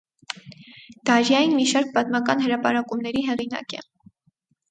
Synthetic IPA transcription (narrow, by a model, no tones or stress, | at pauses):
d̪̥ɑɾjɑjinmiʃɑɾk̚pɑt̪mɑkɑnɦəɾɑpɑɾɑkumnɛɾiɦɛʁinɑ̰kɛ̰